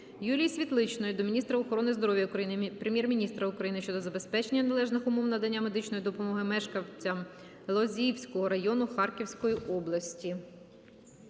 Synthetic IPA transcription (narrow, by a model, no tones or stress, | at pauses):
julʲijsʲʋʲit̪lˠɪt͡ʃnɔjʊd̪ɔmʲinʲist̪ɾɐɔxɔɾɔnɪzd̪ɔɾɔʋʲjɐkɾɐinpɾemʲjɛrmʲinʲist̪ɾɐʊkɾɐjinɪʃt͡ʃɔd̪ɔzɐbe̞spɛt͡ʃe̞nʲːɐnɐlˠɛʒnɪxʊmɔwnɐd̪ɐnʲːame̞d̪ɪt͡ʃnɔjid̪ɔpɔmɔɦɪmɛʃkɐwt͡sʲɐm | lˠɔzʲiwsʲkɔɦɔɾɐjɔnʊxɑrkʲiwsʲkɔjiʔɔblˠɐsʲtʲi